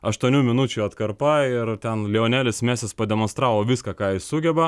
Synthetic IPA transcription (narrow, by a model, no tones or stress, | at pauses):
ɐʃt̪uɔnʲuːmʲɪnʊt͡ʃʲuɐt̪kɐɾpɐɪɾt̪ʲɛnlʲiːoːnʲæːlʲɪsmʲæːsʲɪspɐd̪ʲɛmõnst̪ɾɑːʋoːʋʲiskɑːkɑːjɪssʊɡʲɛbɐ